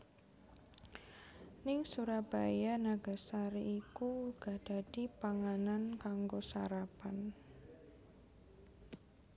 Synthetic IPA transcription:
nɪŋsuɾab̥ajanaɡa̤saɾiikuɡ̥a̤d̥a̤d̥i̤paŋanankaŋɡosa̰ɾapan

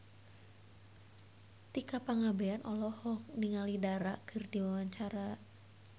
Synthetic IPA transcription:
t̪ikapaŋabeanʔɔlɔhɔkniŋalidaɾakʰɨrdiwawaɲt͡ʃaɾa

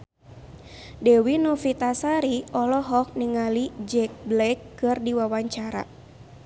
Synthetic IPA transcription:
dɛwinɔfit̪asaɾiɔlɔɦɔk̚niŋalid͡ʒɛk̚blɛkːɨrdiwawaɲt͡ʃaɾa̰

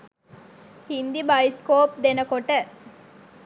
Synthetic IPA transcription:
hind̪ibɐjskoːp̚d̪enəkoʈə

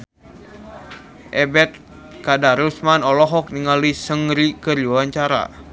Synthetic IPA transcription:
ʔɛbɛt̪̚ | kadaɾusmanɔlɔɦɔk̚niŋalisəŋɾikərd͡ʒuwaɲt͡ʃaɾa̰

